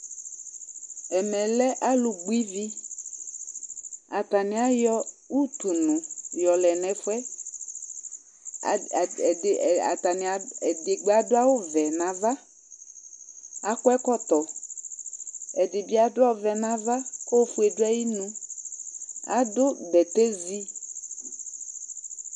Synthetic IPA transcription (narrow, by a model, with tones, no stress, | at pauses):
ɛ˨mɛ̃˨lɛ˦ʔa˦lu˨ɡ͡bu˦i˦vi˦ | a˨t̪a˨nɪ̃˨˦a˦jɔ˦u˦t̪u˨nʊ̃˨jɔ˨lɛ˨nɛ̃˨fʊ˦ɛ˦˨ | a̰˨t̪a˨nɪ̃˨a˨ɛ˨dɪ˨ɡ͡ba˨dʊ˦a˦wo˦vɛ˨nã˨va˦ | a˨kʊ˦ɛ˦kɔ˦t̪ɔ˨ | ɛ˨dɪ˨bi˦a˨dʊ˦a˦wvɛ˨nã˨va˦ko˦fu˦e˨dʊ˦a˦ji˦nũ˦ | a̰˨dʊ˦bɛ˨t̪e˦zi˦